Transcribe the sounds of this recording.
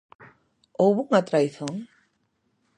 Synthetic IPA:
owβuŋat̪ɾajθɔn

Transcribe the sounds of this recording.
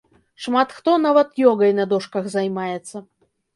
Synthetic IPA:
ʂmat̪xt̪ɔnavɐt̪jɔɡɐjnɐd̪ɔʂkɐɣzɐjmajɛt̪sːɐ

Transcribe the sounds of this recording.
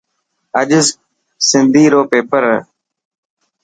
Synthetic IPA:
əʄɪz | sɪnd̪ʱiːɾoːpeːpəɾ

